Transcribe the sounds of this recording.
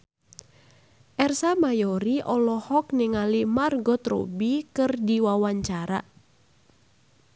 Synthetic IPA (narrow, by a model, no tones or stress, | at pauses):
ʔɛrsamajɔɾiʔɔlɔhɔk̚niŋalimarɡɔt̪ro̰bikɨrdiwawaɲt͡ʃaɾa